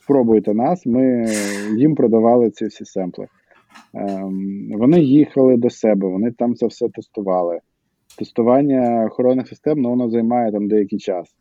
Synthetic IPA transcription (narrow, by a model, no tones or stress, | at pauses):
spɾɔbʊjet̪ɛnɑsmɪjimpɾɔd̪ɐʋɑlˠɪt̪sʲisʲisɛmplˠɪ̰ | ʋɔnɪjixɐlˠɪd̪ɔsɛbɛʋɔnɪt̪ɑmt̪sɛwsɛt̪est̪ʊʋɑlˠɪ | t̪est̪ʊʋɑnʲːɐːxɔɾɔnːɪxsɪst̪ɛmnɔʋɔnɔzɐjmɑjɛt̪ɑmd̪ɛjɐkɪjt͡ʃɑs